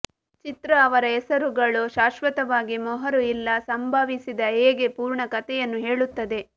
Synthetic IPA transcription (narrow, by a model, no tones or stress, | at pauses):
t͡ʃit̪ɾɐːʋɐɾɐɛsɐɾuɡɐɭuʃaːʃʋɐt̪ɐʋaːɡimɔɦɐɾuilːɐsɐmbʱaʋisid̪ɐeːɡe̞puːɾɳɐkɐt̪ɛjɐnːuɦe̞ːɭut̪ːɐd̪e̞